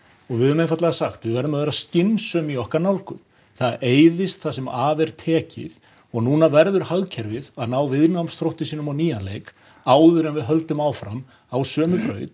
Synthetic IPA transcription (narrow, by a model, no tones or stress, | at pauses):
ɔɣvɪðʏmejnfat̪laɣasaxt̪vɪðvɛɾðʏmaðveːɾascɪnːsœːmiɔhkaɾnawlkʏm | θaðeːjðɪst̪θasɛmaːvɛɾ̥t̪ʰɛːcɪ̰ð | ɔɣnuːnavɛɾðʏɾ̥haɣcʰɛɾvɪðaðnaːwvɪðnamst̪ɾowht̪ɪsiːnʏmawniːjanlḛjk | aːwðʏɾɛnvɪðɦœlt̪ʏmaːwfɾam | awsœːmʏpɾœ̰ːɥt̪